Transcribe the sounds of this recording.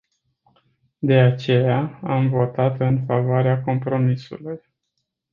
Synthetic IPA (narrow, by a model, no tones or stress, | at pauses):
d̪e̞at͡ʃe̞jaamvo̞t̪at̪ɨnfavoaɾeako̞mpɾo̞misṵluj